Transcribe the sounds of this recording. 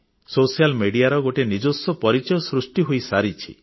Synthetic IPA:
sosijalmeɽiaɾɔɡoʈenid͡ʒosɔpɔɾit͡ʃɔjɔsɾusʈiɦojsaɾit͡ʃʰḭ

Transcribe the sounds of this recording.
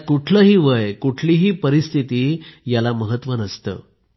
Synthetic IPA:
kuʈʰləɦiːʋəjkuʈʰliːɦiːpəɾist̪ʰit̪iːjalaməɦət̪ʋənəst̪ə̰ː

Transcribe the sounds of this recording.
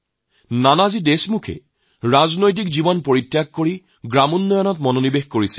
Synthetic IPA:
nanazidesmukʰɛ̰ | ɹaznojt̬ikzibɔnpoɹitːjaɡ̚koɹi | ɡɹamunːɔjɔnɔtmɔnonibexkoɹisḭl

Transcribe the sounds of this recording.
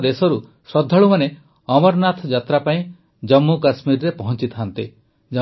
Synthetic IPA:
d̪esɔɾu | sɾɔd̪ʱːɔɭumane | ɔmɔɾnat̪ʰɔd͡ʒat̪ɾapaĩ | d͡ʒɔmːukasmiɾɾepɔɦɔnt͡ʃit̪ʰaant̪i | d͡ʒ

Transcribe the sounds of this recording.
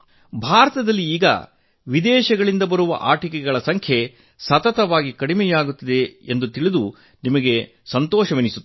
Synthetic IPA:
bʱaːɾɐt̪ɐd̪ɐlːiiːɡɐ̰ | ʋid̪ɛːʃɐɡɐɭind̪ɐbɐɾuʋɐ̰ʔaːʈikɛɡɐɭɐsɐŋkʰje | sɐt̪ɐt̪ɐʋaːɡikɐɽimɛjaːɡut̪ːid̪e̞end̪ut̪iɭid̪u | nimɐɡe̞ | sɐnt̪ɔːʃɐʋenisut̪ː

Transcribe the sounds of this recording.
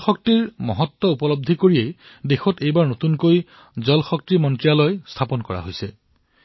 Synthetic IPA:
xɔk̚tiɹmɔɦɔtːɔupɔlɔb̚d̪ʱikoɹiejdexɔtejbaɹnotunkoj | zɔlxɔk̚timɔntɹialɔjst̪ʰapɔnkɔɹa̰ɦojsɛ

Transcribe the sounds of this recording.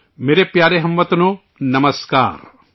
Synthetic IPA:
meːɾepjaːɾeɦɐmʋɐt̪no | nɐməska̰ːɾ

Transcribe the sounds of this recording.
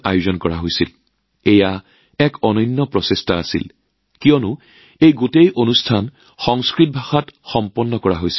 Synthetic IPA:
a̰juzɔnkɔɹaɦojsil | eja | ɛkʰɔnɔjnːɔpɹɔsestaːsḭl | kijɔnʊ | ejɡotejʔonustʰan | xɔŋskɹit̚bʱaxatxɔmpɔnːɔkɔɹaɦojsi̥

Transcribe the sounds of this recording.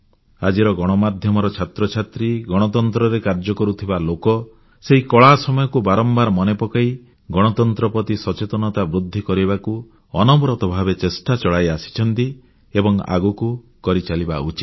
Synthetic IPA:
ad͡ʒiɾɔɡɔɽ̃ɔmad̪ʱjɔmɔɾɔt͡ʃʰat̪ɾɔt͡ʃʰat̪ɾiɡɔɽ̃ɔt̪ɔnt̪ɾɔɾekaɾd͡ʒɔkɔɾut̪ʰibalokɔ | seɦikɔɭasɔmɔjɔkubaɾɔmbaɾmɔnepɔkai | ɡɔɽ̃ɔt̪ɔnt̪ɾɔpɔt̪isɔt͡ʃet̪ɔnɔt̪abɾud̪ʱːikɔɾibaku | ɔnɔmɾɔt̪ɔbʱabet͡ʃesʈat͡ʃɔɭajasi̥t͡ʃʰɔnt̪i | ebɔŋa̰ɡuku | kɔɾit͡ʃalibaut͡ʃi̥t̪

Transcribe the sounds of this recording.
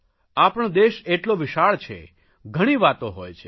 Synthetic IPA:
apəɳ̃d̪eʃeʈloʋɪʃaɭt͡ʃʰḛ | ɡʱəɽ̃iʋat̪oɦojt͡ʃʰe

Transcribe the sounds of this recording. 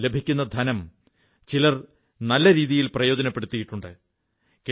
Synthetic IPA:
le̞bʱikʲːun̪ːɐd̪ʱɐnɐm | t͡ɕilɐr | nɐlːɐɾiːðijilprɐjo̞ːd͡ʑɐnɐpːe̞ɽut̪ːijiʈːuɳɖɨ | ke

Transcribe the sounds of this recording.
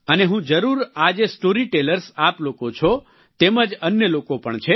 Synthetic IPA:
əneɦũd͡ʒəɾuɾad͡ʒesʈoɾiʈeləɾsaplokot͡ʃʰo | t̪eməd͡ʒənjəlokopəɳt͡ʃʰe

